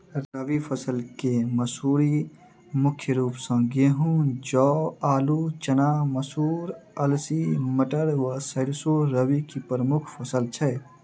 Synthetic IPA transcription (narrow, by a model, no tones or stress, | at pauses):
ɾəʋipʰəsəlkeməsuːɾi | mʊkʰːjəɾuːpsə̃ɡeɦũd͡ʒɔːaːlut͡ʃənaməsuːɾəlsiməʈəɾʋəsəɾsoɾəwikipɾəmʊkʰpʰəsəlt͡ʃʰɛ